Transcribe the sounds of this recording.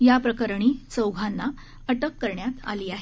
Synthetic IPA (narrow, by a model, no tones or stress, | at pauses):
japɾəkəɾɳ̃iːt͡səwɡʱanːa | əʈəkːəɾɳjat̪a̰liːaɦe